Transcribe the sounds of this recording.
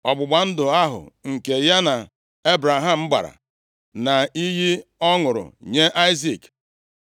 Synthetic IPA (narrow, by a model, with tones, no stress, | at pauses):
ɔ˨ɡ͡bʊ˨ɡ͡ba˨n̩˦dʊ˨a˦ɦʊ̰˨ŋ̩˨ke˨ja˦na˨ | e˦bɾa˨ɦa˦˨m̩˦ɡ͡ba̰˨ɾa̰˨ | na˨i˦ɦi˦ɔ˦ŋʊ˨ɾʊ̰˨ɲe˦ʔa˦ɪ˦zi˨k